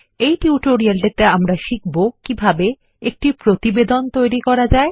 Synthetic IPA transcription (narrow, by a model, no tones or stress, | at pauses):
ejʈiuʈoɾialʈet̪eamɾaʃik̚bokibʱabe | ek̚ʈipɾot̪ibed̪ont̪ojɾikɔɾad͡ʑae